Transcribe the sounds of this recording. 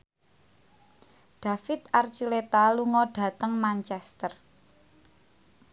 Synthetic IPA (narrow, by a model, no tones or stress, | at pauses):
ɖ̥ä̤fɪt̪art͡ʃilet̪aluŋɔɖ̥ä̤t̪əŋmant͡ʃɛst̪ər